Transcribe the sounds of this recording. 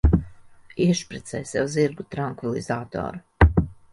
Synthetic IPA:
iɛʃpɾɛt̪sɛjsɛwziɾɡut̪ɾaŋkvilˠḭzaːt̪o̰ːɾu

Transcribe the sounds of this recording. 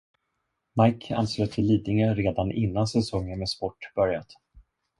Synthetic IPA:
majkʰa̰nsløːɡ̚t̪ʰɪlːiːd̪nɪŋənɾeːd̪anʔɪ̰nːansɛsɔŋːənmeːspɔʈːb̥œɾjat̪

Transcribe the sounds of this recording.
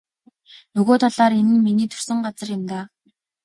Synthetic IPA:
nɵɣoːt̪ʰaɮaːɾenɘ̆nminiːt̪ʰɵ̥rsɵ̆ŋɢat͡sə̆rjɪ̆mt̪aː

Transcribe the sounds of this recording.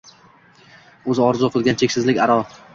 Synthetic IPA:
ɵzɪɒɾzʊqʰɨlˠɡʲant͡ʃʰekʲsɪzlɪkʲaɾɒ

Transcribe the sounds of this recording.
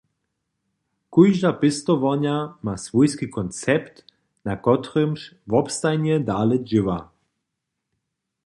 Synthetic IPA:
kujʒd̪apɪst̪ɔvɔɲamasvujskikɔnt͡sɛpt̪ | nakɔt̪rəmʃvɔpst̪ajnɛd̪aːlɛd͡ʒɪva̰

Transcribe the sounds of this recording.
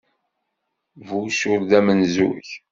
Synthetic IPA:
vusʊɾðæmənzṵç

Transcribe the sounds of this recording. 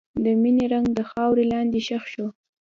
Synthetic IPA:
d̪əmineɾaŋɡd̪əxɑwɾelɑnd̪eʃaxʃo

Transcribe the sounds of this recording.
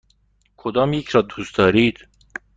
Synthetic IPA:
kʰod̪ɒːmjecʰɾɒːd̪uːsd̪ɒːɾiːd̪̥

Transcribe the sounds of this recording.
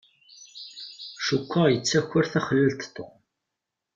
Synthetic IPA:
ʃukʷʰːajət͡sːæçʊɾθæχəlːəlt̪t̪ːo̰

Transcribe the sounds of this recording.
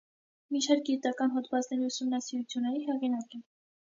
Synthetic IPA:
miʃɑɾk̚ɡit̪ɑkɑnɦɔd̪vɑt͡snɛɾiusumnɑsiɾut͡sʰjunːɛɾiɦɛʁinɑkɛ

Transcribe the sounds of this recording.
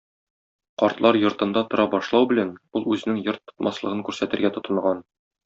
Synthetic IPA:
qɒɾt̪lˠɑɾjŏɾt̪ɤ̆nd̪ɑt̪ŏɾɑbɒʃlˠɑwbɘ̆lænulˠʉzɘ̆nɘŋjɤɾt̪ʰːŏ̥t̪mʔɑslˠɤ̆ʁɤŋkʉɾsæt̪ɘ̆ɾɡæt̪ŏt̪ɤ̆ɴʁɑn

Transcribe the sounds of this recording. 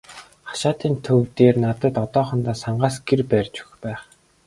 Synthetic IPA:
χḁʃaːt̪iːnt̪ʰɵwt̪eːrnat̪ə̆t̪ɔt̪ɔːχɞ̆nt̪aːsaɴɢaːsɡ̥erpærʲt͡ɕu̥xpæːχ

